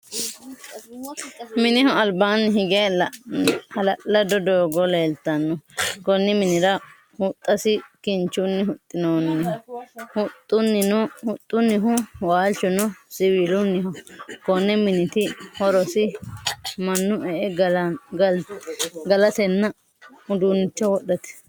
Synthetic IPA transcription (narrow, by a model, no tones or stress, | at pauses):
mɪnɪhɔɐlbaːnːɪɦɪɡɛɐl | hɐlɐlɐd̪ɔd̪oːɡɔleːlt̪ɐnːɔkɔnːɛmɪnɪɾɐ | hʊt̪ʼːɐsɪkɪnt͡ʃːʊnːɪhʊt̪ʼːɪnoːnːɪhɔhʊt̪ʼːʊnːɪnɔhʊt̪ʼːʊnːɪɦʊwaːlt͡ʃːɔnɔsɪwiːlʊnːɪɦɔkɔnːɛmɪnɪt̪ɪhɔɾɔsɪ | mɐnːʊʔɛʔɛɡɡɐ | ɡɐlɐt̪ɛnːɐ | ʊd̪unɪt͡ʃːɔwɔɗːɐt̪ɛ̥